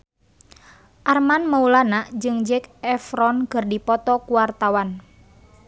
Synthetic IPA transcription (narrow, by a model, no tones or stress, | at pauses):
ʔarmanmaulanaʔd͡ʒɨŋd͡ʒɛkɛfɾɔnkɨrdipɔt̪ɔkuwart̪awan